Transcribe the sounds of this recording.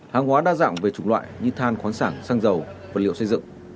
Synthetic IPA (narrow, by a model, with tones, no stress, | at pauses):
haː˨˩ŋɦwaː˨˦ɗaː˧za̰ː˧˨mve˨˩t͡ɕʊ˨˧˩ŋlwa̰ː˧˨jɲɨ˧t̪ʰaː˧nxwaː˨˦nsaː˧˩ŋsaː˧ŋzə˨˩wvaː˨˩lḭ˧˨sə˧jzɨ̰˧˨ŋ